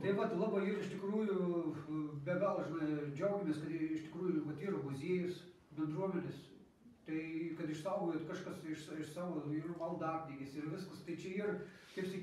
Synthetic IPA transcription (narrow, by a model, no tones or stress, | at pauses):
t̪ɐɪʋɐt̪lˠɑːbɐiːrɪʃt̪ʲɪkruːjʊ | bʲɛɡɛlˠʒʲɪnɐɪd͡ʒʲɛʊɡʲɪmʲeːskɐt̪ɪʃt̪ʲɪkɾuːjʊʋɐt̪iːrmʊzʲiɛjʊs | bʲɛnd̪ruɔmʲɛnʲes | t̪ɐɪkɐt̪ɪʃsɑʊʋɡojtkɐʃkɐsɪʃsɪʃsɑːʋoːiːrmɐlˠd̪ɑːpʲd̪ʲɪɡʲɪsɪrʋʲɪskɐst̪ɐɪt͡ʃʲɛiːrkɐɪpsʲɐ